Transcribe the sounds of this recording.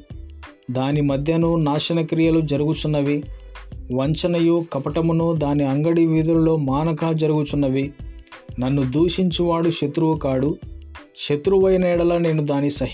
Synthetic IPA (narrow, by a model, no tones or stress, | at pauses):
d̪aːnimɐd̪ʱjɐnunaːʃɐnɐkɾijɐlud͡ʒɐɾuɡut͡ʃunːɐʋi | ʋɐɲt͡ʃɐnɐjuːkɐpɐʈɐmunuːd̪aːniɐŋɡɐɽiʋiːd̪ɐɾulo̞ːmaːnɐkaːd͡ʒɐɾuɡut͡ʃunːɐʋi | nɐnːud̪uːʂiɲt͡ʃuʋaːɽuʃɐt̪ɾuʋɐkaːɽu | ʃɐt̪ɾuʋɐjɐnɛːɽɐlɐne̞ːnud̪aːnisɐɦ